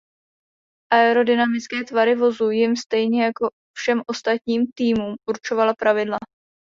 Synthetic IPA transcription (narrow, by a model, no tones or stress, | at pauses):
ʔaɛɾo̞dɪnamɪt͡skɛːt̪vaɾɪvo̞zujɪmst̪ɛjɲɛjako̞ | fʃɛmʔo̞st̪at̪ɲiːmt̪iːmuːmʔuɾt͡ʃo̞valapɾavɪdla